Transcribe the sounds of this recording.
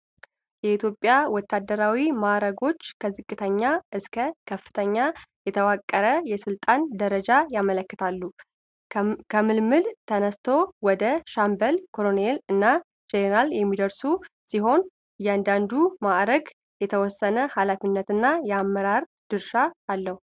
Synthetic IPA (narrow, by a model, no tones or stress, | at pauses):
jɛit̪ʰjopʼjawɔt̪ʰːad̪ːəɾawimaɾəɡo̞t͡ʃːkʰəzɨkʼːɨt̪ʰəɲːaʔɨskʰəkʰəfːɨ̥t̪ʰəɲːajɛt̪ʰəwakʼːəɾəjɛsɨlt̪ʼand̪əɾəd͡ʒajamələkːɨt̪ʰalːu | kʰəmɨlmɨlt̪ʰənəst̪ʰo̞wɔd̪əʃambəlkʰolonelɨnːa | d͡ʒeɾaljɛmːid̪əɾsusiɦo̞n | jːɛand̪and̪umaɾəɡ | jɛt̪ʰəwɔsːənəhalafinːət̪ɨnːajɛamːəɾaɾ | d̪̥ɨɾʃaːlːəhu